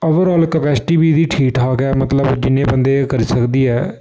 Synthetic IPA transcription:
oːʋəɾɔːlkəpɛːsɪ̥ʈiːbiːd̪iːʈʰiːʈaːɡɛːmət̪ləbd͡ʒɪnːẽːbənd̪eːkəɾiːsəkd̪iːɛː

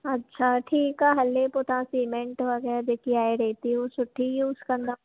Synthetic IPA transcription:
ɐtːʃʰaʈʰiːkaːɦɐlːepot̪ãsiːmẽɳʈʋɐɡəad̪eːkʰiaːeɾɛːt̪iɦũsʊʈʰːijuʊskɐ̃nd̪ɐ

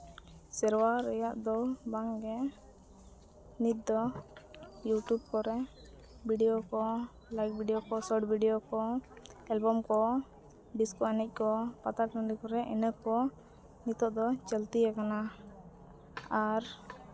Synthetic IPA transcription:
sɛɾwaɾɛjaʔd̪ɔbaŋɡɛ | nit̪̚d̪ɔ | juʈjub̚kɔɾɛ | biɖijokɔ | lajk̚bʱiɖijɔkɔsɔɖbʱiɖijɔkɔɛlbɔmkɔ | ɖiskɔɛnɛc̚ˀkɔpat̪aɾɔɳɖikɔɾɛʔɛnəkɔ | nit̪ɔʔd̪ɔt͡ʃɛlt̪ijakana | aɾ

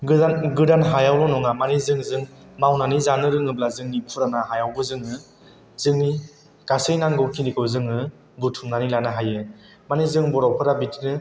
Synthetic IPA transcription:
ɡɯdanɦajawlɔnɔŋamanizɯŋzɯŋ | mawnanizanɯɾɯŋɯblazɯŋnipʰuɾanaɦajawbɯzɯŋɯ | z̥ɯŋni | ɡ̥asɯjnaŋɡɯwkʰindikʰɯwzɯŋɯ | butʰuŋnanilanaɦajɯ | manizɯŋbɔɾawpʰɯɾabitnɯ

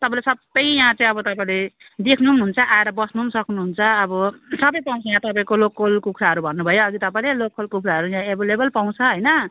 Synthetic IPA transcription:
t̪ʌpãlesʌbːʌjjãt͡sʌĩʌbʌt̪ʌpaĩle | d̪ekʰnumɦunt͡sʰʌʔaeɾʌbʌsnumsʌknuɦunt͡sʰʌːbʌsʌbʌjpaw̃t͡sʰʌjãt̪ʌpaĩkolokpʰolkukʰɾaɦʌɾubʱʌnːubʱʌjoːɡit̪ʌpãĩlelok̚pʰolkukʰɾaɦʌɾujãebilebʌlpaw̃t͡sʰʌɦʌjnʌ

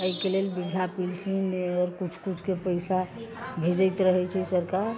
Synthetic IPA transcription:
əjkelelbid̪ʱapilsinɔɾkut͡ʃʰkut͡ʃʰkepəjsabʱed͡ʒəjt̪ɾəɦɛt͡ʃʰɛsəɾkaɾ

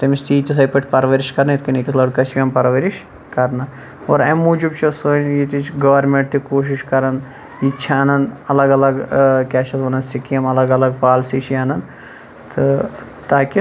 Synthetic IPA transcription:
t̪ɐmist̪iːt̪is̬ɐjpɐʈʰpɐɾʋɐɾiʃkɐɾnɐit̪ʰkɐnit̪ɐslɐɽkɐt͡ʃʰʋʲiɐmpɐɾʋɐɾiʃ | kɐɾna | oːɾɐmːuːd͡ʒubt͡ʃʰɐsonjit̪it͡ʃɡɐʋɐɾmẽɳʈt̪ikoːʃ̬iʃkɐɾɐn | it͡ʃʰɐnɐnɐlɐɡɐlɐɡkʲɛːʃɐsʋɐnɐnsikijɐmɐlɐɡɐlɐɡ̚paːlsiʃʰiɐːnɐn | t̪ɨ | t̪aːki

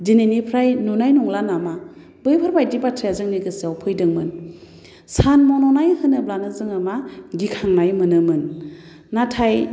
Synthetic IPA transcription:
dinenipʰɾajnunajnɔŋlanama | bɯjpʰɯɾbajdibatʰɾijazɯŋniɡɯsiawpʰɯjdɯŋmɯn | sanmɔnɔnajhɯnɯblanɯzɯŋamaɡikʰaŋnajmɯnɯmɯnː | atʰaj

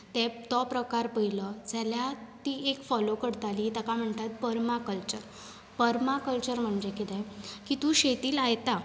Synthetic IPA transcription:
t̪ɛ̃t̪ɔpɾəkaɾpəjləd͡zaljat̪iekfɔlokəɽt̪aliːt̪akam̤əɳt̪at̪̚pəɾmakəlt͡ɕəɾ | pəɾmakəlt͡ɕəɾm̤əɳd͡ʑekit̪ɛ̃kit̪ũːɕet̪iːlajt̪a

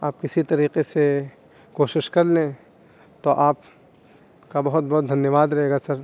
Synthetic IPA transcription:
aːp̚kɪsit̪ɐɾiːqese | koːʃɪʃkɐɾlẽ | t̪oʔaːp | kabɐɦʊt̪̚bɐɦt̪̚d̪ʱɐnjəʋaːd̪ɾɐɦeːɡasɐɾ

